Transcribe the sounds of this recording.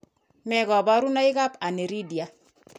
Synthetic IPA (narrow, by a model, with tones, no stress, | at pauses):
mɛ˨ɡɔ˨ba˦ɾu˦na˦ɪ˦ka˦pa˨ne˨ɾi˦dja˨˦